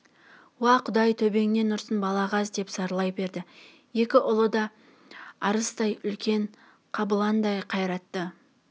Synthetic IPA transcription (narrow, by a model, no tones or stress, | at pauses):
wɑqʰʊd̪ɑjt̪ʰɵbe̞ŋne̞nʊɾsənbɑlˠɑʁɑzd̪e̞psɑɾlˠɑjbe̞ɾd̪ɪ | je̞kʲɪʔʊlˠəd̪ɑ | ɑɾəst̪ɑjʏlkʲe̞ɴ | qʰɑbəlˠɑnd̪ɑjqʰɑjɾɑt̪ːə